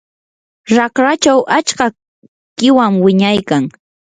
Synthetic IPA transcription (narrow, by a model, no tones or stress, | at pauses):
ɾɑkɾat͡ʃawʔat͡ʃka | kɪwamwɪɲajkaŋ